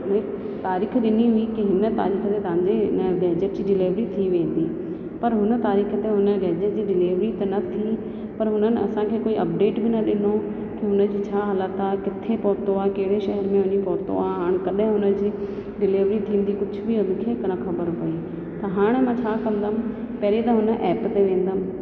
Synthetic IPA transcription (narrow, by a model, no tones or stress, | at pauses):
ʊne | t̪aːɾiːxɗɪniɦʊikiɦɪnə̆t̪a̰ːɾiːxət̪et̪ɐãɲd͡ʑenɡeːd͡ʑepd͡ʑiɗɪleːʋɾit̪ʰiʋẽːn̆d̪iː | pɐɾɦʊnə̆t̪aːɾiːxət̪eɦʊnəɡeːd͡ʑed͡ʑiːɗɪliːʋɾit̪ɐnɐt̪ʰi | pɐɾɦʊnənɪɐ̰sãkʰeːkoːiʔɐp̚ɖeːʈbɪnɐɗɪno | kiɦʊnəd͡ʑit͡ɕʰaːɦɐlat̪ʰakɪt̪ʰepɔːɾt̪oaːkɐɦɪɽeʃɛɦɛɾmẽɦʊɲipɔːɾt̪o̰aːɦaːɽ̃kɐɗɦɪ̃ɦʊnəd͡ʑiː | ɖɪliːʋɾit̪ʰĩːən̆d̪ikʊd͡ʑʱʊbʱiɦʊnkʰeːknɐkʰɐbəɾpɐi | t̪ɐɦaːɽ̃emãːt͡ɕʰaːkɐ̃nd̪əm | pɐɦɾit̪ɐɦʊnə̆ʔɛːpt̪eʋẽːn̆d̪əm